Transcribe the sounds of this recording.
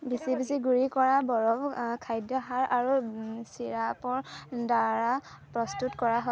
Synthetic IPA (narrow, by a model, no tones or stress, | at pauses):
bisibisiɡuɹikɔɹabɔɹɔbkʰajdjɔɦaɹʔaɹusiɹapɔɹdaɹa | pɹɔstutkɔɹaɦɔ